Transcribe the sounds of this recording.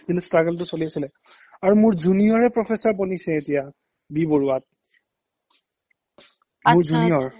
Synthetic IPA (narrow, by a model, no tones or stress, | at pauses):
sd̪ilɛstɹaɡɛlt̬ʊsoliasilɛ | aɹumʊɹzunijɔɹɛpɹɔpʰesɔɹpɔnisɛetija | biboɹuat̚ | mʊɹzunijɔɹ